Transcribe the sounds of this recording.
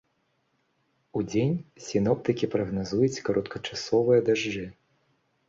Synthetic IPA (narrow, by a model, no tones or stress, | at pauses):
ud͡zʲenʲsʲinɔpt̪ɨkʲipɾɐɣnazujut͡sʲkɐɾɔt̪kʰɐt͡ʂasɔvɨjɐd̪aʐd͡ʐɨ